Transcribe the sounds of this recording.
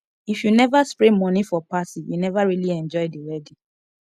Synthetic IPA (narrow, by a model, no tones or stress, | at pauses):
ifjunɛvaspɹemɔ̃nĩfɔpasĩjṵnɛvaɹiliɛ̃nd͡ʒɔjdiwɛdi